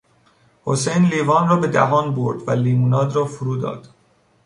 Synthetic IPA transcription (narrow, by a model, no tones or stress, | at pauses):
hosejnliːvɒːnrɒːbe̞d̪æ̰ɦɒːnboɾd̪væliːmunɒːd̪rɒːfuɾuːd̪ɒ̰ːd̪̥